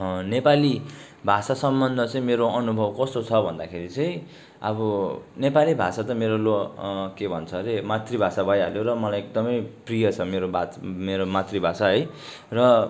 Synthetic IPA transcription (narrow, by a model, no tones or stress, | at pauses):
nepali | bʱasasʌmbʌnd̪ʱʌt͡sʌĩmeɾoʌnubʱʌbkʌst̪ot͡sʰʌbʱʌnd̪akʰeɾit͡sʌj̃ | ʌ̰bʌnepalibʱasat̪ʌmeɾolokebʱʌnt͡sʰʌɾemat̪ribʱasabʌjɦaljoɾʌmʌlajek̚d̪ʌmʌjprijʌt͡sʰʌmeɾobʱameɾomat̪ribʱasaɦʌj | rʌ